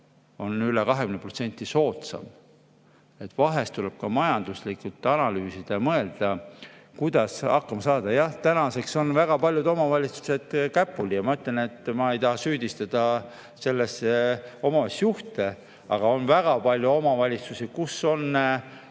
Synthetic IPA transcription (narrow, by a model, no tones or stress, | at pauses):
o̞nylekɑɦekynepro̞t̪se̞nʲt̪ːˑiso̞ːt̪sɑ̰m | e̞t̪ːˑvɑɦe̞st̪uleb̥̚kɑmɑjɑnd̪̥uslikult̪ːˑɑnɑlyːsid̪̥ɑmɤe̞ld̪̥ɑkujd̪̥ɑsɑkːɑmɑsɑːd̪̥ɑjɑht̪ænɑse̞kso̞nvæɡ̥ɑpɑlʲjud̪o̞mɑvɑlʲit̪su̥se̞d̪̥kæpːˑuljɑmɑmɤt̪lene̞t̪ːˑmɑejt̪ɑɦɑsyːd̪ist̪ɑd̪̥ɑ | se̞lːeseo̞mɑvesːjuht̪e̞ | ɑɡ̥ɑo̞nvæɡ̥ɑpɑlʲjuo̞mɑvɑlʲit̪susikusːo̞nː